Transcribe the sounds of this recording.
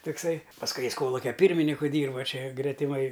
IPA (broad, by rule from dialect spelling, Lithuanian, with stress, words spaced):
toːkˈsɐɪ pɐsˈkʊɪ ˈjɪs ˈkoːlˠʊkʲɛ ˈpʲiːrʲmʲɪnʲɪkʊ ˈdʲiːrbɐ ˈt͡ʃʲɛ ɡrʲɛtʲɪˈmɐɪ